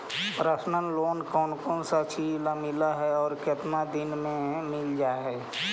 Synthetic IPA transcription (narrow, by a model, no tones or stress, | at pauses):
pɾəsnənloːnkɔːnkɔːnsat͡ʃilamɪlaɦɛɔːɾkət̪nad̪ɪnmẽmɪld͡ʒaːɦɛː